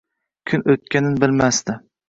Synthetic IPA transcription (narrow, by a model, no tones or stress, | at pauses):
kʲʰʊnɵt̪̚kʲanɪnbɪlmast̪ɪ